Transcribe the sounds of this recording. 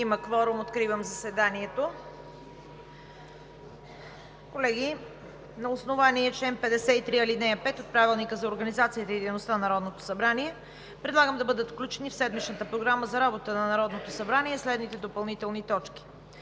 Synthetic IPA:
iməkvɔɾumot̪kɾivəmzɐsɛd̪aniɛt̪o | kolɛɡ̟i | nɐosnovaniɛt͡ʃɛɛmpɛd̪ɛsɛit̪ɾiɐlid̪nɛjɐpɛt̪ot̪̚pɾavilˠnikəzɐoɾɡənizat̪siət̪əid̪ɛjnost̪anɐnɐɾɔd̪not̪o̥sɐbɾaniɛ | pɾɛd̪lˠaɡəmd̪ɐbɤd̪ət̪fklʲut͡ʃɛnifsɛd̪mit͡ʃnət̪əpɾoɡɾaməzɐɾabot̪ənɐnɐɾɔd̪not̪osɐbɾaniɛslɛd̪nit̪ɛd̪opɐlˠnit̪ɛlˠnit̪ɔt͡ʃkʲi̥

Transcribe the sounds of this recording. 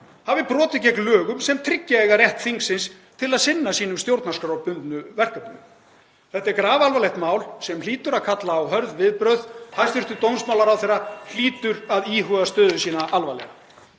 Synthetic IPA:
havɪpɾɔːt̪ɪc̬ɛklœːɣʏmsɛmt̪ʰɾɪcːaɛɣarjɛht̪θiŋksɪns | t̪ʰɪlaðsɪnːasiːnʏmst̪jowɾt̪naskɾawpʏnt̪nʏvɛr̥kapnʏ | θɛht̪aɛɾkɾaːvalvaleht̪maːwlsɛmliːt̪ʏɾaðkʰat̪laːwɦœɾðvɪðpɾœɥðhajst̪ɪr̥t̪ʏt̪ownsmaːwlaɾawθɛjrːal̥iːt̪ʏɾaðiːɦœːðast̪œːðʏsiːnaʔalvajlɛ̰ɣa

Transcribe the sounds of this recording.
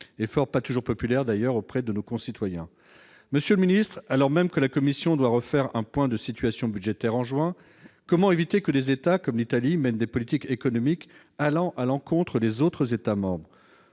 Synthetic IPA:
efɔʁpat̪uʒuʁpɔpylɛʁd̪ajœʁopχɛd̪ənokɔ̃sit̪wajɛ̰̃ | məsjøləminist̪χalɔʁmɛmkəlakɔmisjɔ̃d̪waʁəfɛʁɛ̰̃pwɛ̃d̪əsit̪ɥasjɔ̃byd̪ʒet̪ɛʁɑ̃ʒwɛ̃ | kɔmɑ̃evit̪ekəd̪ezet̪akɔmlit̪alimɛnd̪epɔlit̪ikekɔnɔmik | alɑ̃ʔalɑ̃kɔ̃t̪χəd̪ezot̪χəzet̪amɑ̃bʁ

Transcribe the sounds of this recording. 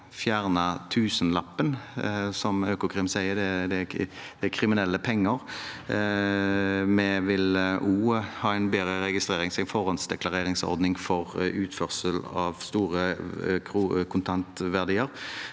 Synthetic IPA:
fjæːʁnət̪ʰʉːsənlɑpːənsɔmøːkʊkʰɾɪmsæɪəd̪ɛd̪ɛdd̪̥ɛækʰɾɪmɪnɛlːəpʰɛŋːəɾ | mɛʋɪlʔuːhɑːɛɪnbeːʁəɾɛɡɪst̪ʁeːɾɪŋsɪnfɔʁɑnsd̪ɛklɑɾʁeːɾɪŋsɔ̰ɾd̪nɪŋfɔʁʉːt̪fœʁsəlɑʋst̪uːʁəkʰɾukʰʊnt̪ʰɑnt̪ʋæʁd̪iːəɾ

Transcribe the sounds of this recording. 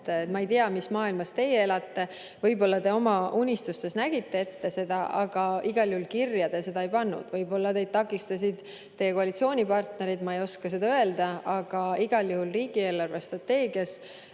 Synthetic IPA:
t̪ːet̪mɑejt̪iɑmismɑːilmɑst̪e̞jee̞lɑt̪ːe̞ | vɤjbo̞lːɑt̪e̞o̞mɑunʲist̪ust̪e̞snæɡ̥it̪ːe̞e̞t̪ːe̞se̞d̪̥ɑʔɑɡ̥ɑiɡ̥ɑljuhulkirjɑd̪̥e̞se̞d̪ɑejpɑnːṵd̪̥vɤjbo̞lːɑt̪e̞jd̥̪̚t̪ɑkːˑist̪ɑs̬ʲid̪̥ | t̪e̞jekoɑlit̪sio̞ːnʲipɑrt̪ne̞ɾid̪mɑejo̞skɑsed̪ɑøe̞ld̪̥ɑɑɡ̥ɑiɡ̥ɑljuhulriːɡ̥ie̞ːlːɑrve̞st̪rɑt̪ːe̞ːɡjɑs

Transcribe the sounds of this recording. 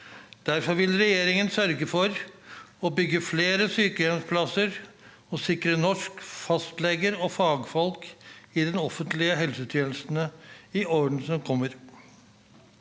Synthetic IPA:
d̪̥æɾfɔɾʋɪlɾɛjeːɾɪŋənsœɾɡəfɔɾɔbʏɡːəfleːɾəsyːkəɛnspʰlɑsəɾ | ɔsɪkɾənɔʂkfɑst̪lɛɡəɾɔfɑːɡfɔlkɪd̪ɛnɔfənt̪lɪəɦɛlsəʉːt̪ʰjɛːnsnəɪoːəɳ̩sɔmkʰɔmːəɾ

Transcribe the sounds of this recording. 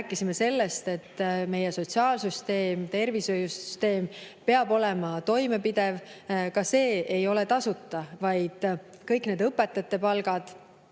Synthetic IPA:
æːkːˑisime̞se̞lːe̞st̪e̞t̪ːme̞jeso̞t̪ʲsiɑːlsyst̪e̞ːmt̪e̞rvisøjusy̥st̪e̞ːmpe̞ɑbo̞lɛ̞mɑt̪o̞jme̞pid̪̥e̞vkɑse̞ːe̞jo̞le̞t̪ɑsut̪ːɑvɑjd̪̥ | kɤjkne̞d̪ɤpːˑe̞t̪ːˑɑt̪ːˑe̞pɑlɡ̥ɑd̪̥

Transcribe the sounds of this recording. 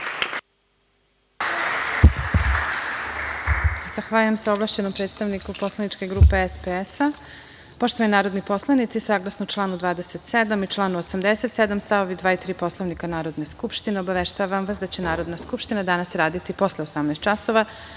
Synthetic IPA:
z̥axʋaʎujemsaoblˠaʃt͡ɕenompɾet̪st̪aʋnikopo̞slˠanit͡ʃke̞ɡɾuːpe̞espeesa | poʃt̪oʋaninaːɾo̞d̪nipo̞slˠanit̪sisaːɡlˠasnout͡ʃlˠaːnud̪ʋaːd̪eset̪sed̪amit͡ʃlˠaːnuosamd̪ese̞t̪sed̪amst̪aʋo̞ʋid̪ʋaːit̪ɾiːpo̞slˠoʋnikanaːɾo̞d̪ne̞skupʃt̪ineo̞baʋeʃt̪aʋamʋasd̪at͡ɕe̞naːɾo̞d̪naskupʃt̪inad̪anasɾaːd̪it̪ipo̞sleosamnaːst̪t͡ʃaso̞ʋa

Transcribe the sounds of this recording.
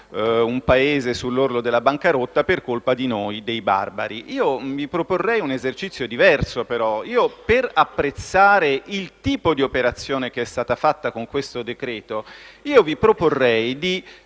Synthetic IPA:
umpaeːzesulːorlod̪elːabaŋkaɾot̪ːaperkolpad̪inoːjd̪ejba̰rba̰ɾiʔiːovipɾoporːɛjunezert͡ʃit̪sːjod̪ivɛrsopeɾɔiːoperapːɾet̪sːaːɾeilt̪iːpod̪iopeɾat̪sːjoːnekeɛst̪aːt̪afat̪ːakoŋkwest̪od̪ekɾɛːt̪oiːovipɾoporːɛjd̪i

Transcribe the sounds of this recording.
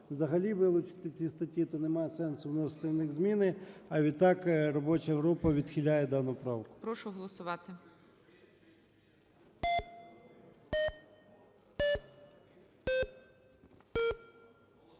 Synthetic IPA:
wzɐɦɐlʲiʋɪlˠʊt͡ʃɪ̥t̪ɪt͡sʲist̪ɐtʲit̪ɔnemɑjsɛnsʊwnɔzɐt̪ɪwnɪɣzmʲinɪɐʋʲid̪̚t̪ɑkrɔbɔt͡ʃɐɦɾupɐʋʲid̪xʲilʲajɛd̪ɑnʊpɾɑwkʊ̥pɾɔʃʊɦɔlˠɔsʊʋɑt̪ɪ

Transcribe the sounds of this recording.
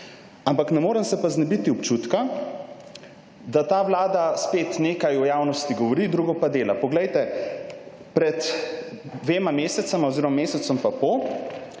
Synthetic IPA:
ampaknɛmoːɾəmsɛpaznɛbit̪iɔpt͡ʃut̪ka | d̪at̪aːʋlaːd̪aspeːt̪neːkajɔjaːwnɔst̪iɡɔʋɔɾid̪ɾuɡɔpad̪eːlapɔɡlɛjt̪ɛ | pɾɛt̪ | d̪ʋeːmameːsɛt̪samoziɾomameːsɛt̪sɔmpapo

